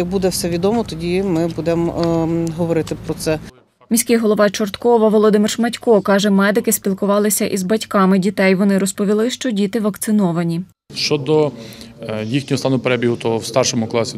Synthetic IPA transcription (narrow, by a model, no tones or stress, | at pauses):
jɐk̚bud̪ɛwsɛʋʲid̪ɔmɔt̪ɔdʲimɪbud̪ɛm | ɦɔʋɔɾɪt̪ɪpɾɔt̪sɛ | mʲisʲkɪɦɔlˠɔʋɑt͡ʃɔrt̪kɔʋɐʋɔlˠɔd̪ɪmɪrʃmɐtʲkɔkɑʒɛmɛd̪ɪkɪsʲpʲilˠkʊʋɑlˠɪsʲɐʔizbɐtʲkɑmɪdʲit̪ɛjʋɔnɪɾɔspɔʋʲilˠɪʃt͡ʃɔdʲit̪ɪʋɐkt̪sɪnɔʋɐnʲi | ʃt͡ʃɔd̪ɔ | jixnʲɔɦɔst̪ɑnʊpeɾɛbʲiɦʊt̪ɔwst̪ɑrʃɔmʊklˠɑsʲi